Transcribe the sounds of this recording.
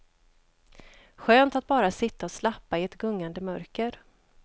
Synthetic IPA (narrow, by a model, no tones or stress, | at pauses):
ɧøːnt̪at̪̚bɑːɾasɪt̪ːaɔslapːaɪɛt̪ɡɵŋːand̪əmœɾkəɾ